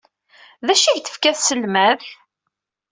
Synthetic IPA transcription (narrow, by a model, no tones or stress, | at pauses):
ðæʃiʝθə̥fkæθsəlmæðħ